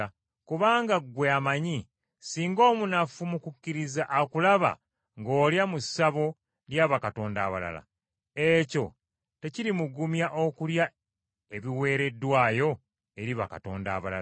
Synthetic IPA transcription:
kuβaːŋɡaɡweamaɲi | siːŋɡo̞ːmunafumukukːiɾizaʔːkulaβa̰ | ŋɡo̞ːljamusaβo̞ | ljaβakato̞ːndaːβa̰la̰la̰ | e̞co̞̰ | te̞ciɾimuɡumjaʔo̞kulja | e̞βiwe̞ːɾe̞dːwaːjo̞ | e̞ɾiβa̰ka̰to̞̰ːnda̰ːβa̰la̰

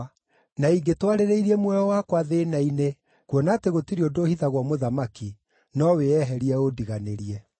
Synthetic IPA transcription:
naiɡetwaɾeɾeiɾiɛmwɛjɔwakwaðenaine | kwɔnateɣotiɾiodohiðaɣwɔmoðamaki | nɔweɛɦɛɾiɛodiɣaneɾiɛ

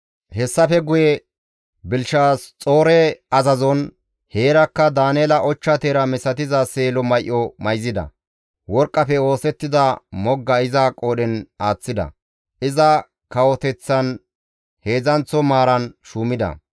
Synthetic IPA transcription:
hɛsːɐfɛɡʊjɛ | bɪlʃaːst͡sʼo̞ːɾɛɐzɐzɔn | heːɾɐkːɐd̪aːneːlɐʔɔt͡ʃːɐt̪eːɾɐmɛsɐt̪ɪzɐse̞ːlɔmɐjʔːɔmɐjzɪd̪ɐ̰ | wɔɾkʼːɐfɛo̞ːsɛt̪ːɪd̪ɐmɔɡːɐɪzɐkʼoːɗɛnaːt͡sːɪd̪ɐ̰ | ʔɪzɐ | kɐwɔt̪ɛt͡sːɐn | heːzɐnt͡sːɔmaːɾɐnʃuːmɪd̪ɐ̰

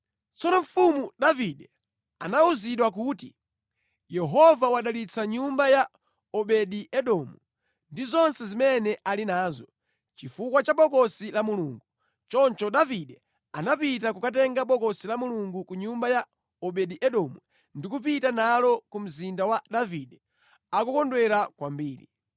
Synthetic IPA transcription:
t͡sɔnɔɱ̩fumuɗaviɗɛ | anauziɗwak̬uti | jɛɦɔvawaɗalit͡sʰaɲumbaja | ɔɓɛɗiɛɗɔmu | ndizɔnsɛzimɛnɛʔalinaːzɔ | t͡ʃifukwat͡ʃaɓɔkɔsilamuluːŋɡu | t͡ʃɔnt͡ʃɔɗaviɗɛ | anapitakukatɛŋɡaɓɔkɔsilamuluŋɡukuɲumbaja | ɔɓɛɗiʔɛɗɔmu | ndikupitanalɔkum̩zindawaɗaviɗɛ | akukɔndwɛɾakwambiːɾḭ

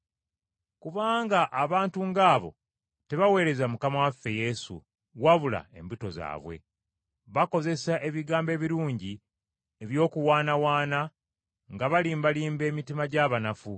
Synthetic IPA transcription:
kuβaːŋɡaʔaβaːntuŋɡaːβo̞̰ | te̞βawe̞ːɾe̞zamukamawafːe̞je̞sṵ | waβula̰e̞̰mbuto̞za̰ːβwe̞̰ | βako̞ze̞saʔe̞βiɡaːmbe̞ːβiɾuːɲɟi | e̞βjo̞ːkuwaːnawaːna | ŋɡaβaliːmbaliːmbe̞ːmitimaɟaːβanafu

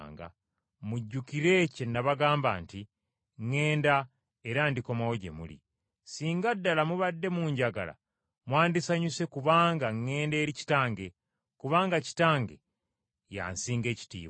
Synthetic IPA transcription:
ŋɡa̰ | muɟːukiɾe̞cenːaβaɡaːmba̰ːnti | ŋːe̞ːnda | eɾaːndiko̞mawo̞ɟe̞̰mṵlḭ | siːŋɡadːalamuβadːe̞muːɲɟaɡa̰la̰ | mwaːndisaɲuse̞kuβaːŋɡaŋːe̞ːnde̞ːɾici̥taːŋɡe̞ | kuβaːŋɡaci̥taːŋɡe̞̰ | ja̰nsiːŋɡe̞ːci̥tḭːβ

